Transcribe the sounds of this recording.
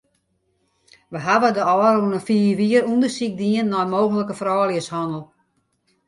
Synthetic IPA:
ʋəɦaʋədəɔːɾunəfiːʋiəɾundəsik̚diənːɔjmoːɣənləkəfrɔːliəshɔnəlˠ

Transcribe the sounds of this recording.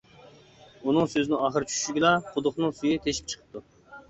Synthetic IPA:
unɨŋsøzɪnɪŋɑχəɾɨt͡ʃʰy̥ʃy̥ʃyɡʲɪlˠɑqʰʊd̪ʊqnɨŋsujit̪ʰeʃi̥p̚t͡ʃʰə̥qʰə̥p̚t̪u

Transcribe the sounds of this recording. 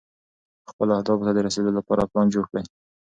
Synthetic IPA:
xpəlahd̪ɑbt̪ad̪əɾased̪olapɑɾaplɑnd͡ʒoɽkɽaj

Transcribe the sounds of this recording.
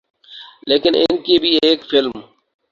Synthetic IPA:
leːkɪnɪ̰nkibʱiːeːkfɪlm

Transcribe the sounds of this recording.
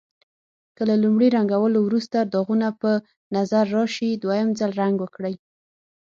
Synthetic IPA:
kəlalumɽiɾaŋɡawəlowɾust̪aɾd̪ɑɣunapə | nazaɾːɑʃid̪wajamzalɾaŋɡwəkɽəj

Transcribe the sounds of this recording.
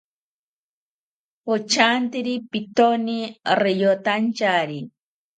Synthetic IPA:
ot͡ʃant̪iɾipit̪onirejot̪ant͡ʃaɾi

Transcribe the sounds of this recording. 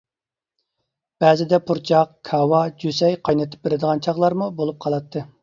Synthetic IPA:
b̥ɛːzɪd̪ɛpʰuɾt͡ʃʰɑqkʰɑwɑd͡ʒysɛjqʰɑjnɨt̪ʰɪ̥p̚beɾɪd̪əʁɑnt͡ʃʰɑʁlˠɑɾmubolˠup̚qʰɑlˠɑt̪ʰːɨ

